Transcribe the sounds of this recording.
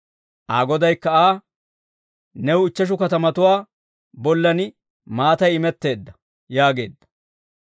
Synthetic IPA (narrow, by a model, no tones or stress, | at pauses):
ʔaːɡɔd̪ɐjkːɐaː | nɛwɪt͡ʃːɐʃ̬ʊkɐt̪ɐmɐt̪ʊwaː | bɔlːɐnɪ | maːt̪ɐjɪmɛt̪ːe̞ːd̪ːɐ | jaːɡe̞̰ːd̪ːɐ̥